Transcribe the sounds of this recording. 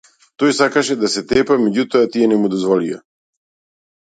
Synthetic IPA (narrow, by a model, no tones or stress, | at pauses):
t̪ojsakaʃɛd̪asɛt̪ɛpamɛɟut̪oat̪iɛnɛmud̪ɔzvɔlia̰